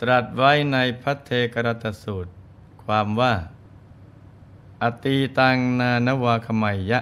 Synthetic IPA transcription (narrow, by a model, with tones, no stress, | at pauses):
t̪ɾa˨˩t̪̚wa˦˥jna˧jpʰa˦˥t̪ʰːeː˧ka˧ɾa˧˥t̪ːa˧suː˨˩t̪̚ | kʰwaː˧mwaː˥˩ | ʔa˨˩t̪iː˧t̪aː˧ŋnaː˧na˦˥waː˧kʰa˧ma˧jːa˦˥ʔ